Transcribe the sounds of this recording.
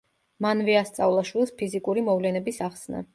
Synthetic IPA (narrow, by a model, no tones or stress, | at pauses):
manvɛast̪sʼavlˠaʃwilˠspʰizikʼuɾimɔvlɛnɛbisaχsna̰